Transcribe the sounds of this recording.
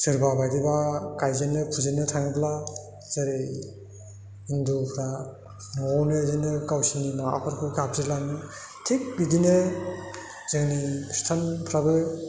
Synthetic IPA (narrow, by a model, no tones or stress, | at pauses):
sɯɾbabajdibakajzenɯpʰuzinɯtʰaŋɯpʰla | z̥aɾi | indupʰɾa | nɔawnezinɯkawsininawa̰pʰɯɾkʰɯkap̚zilanɯ | tʰik̚bidine | zeŋnistʰanpʰɾabɯ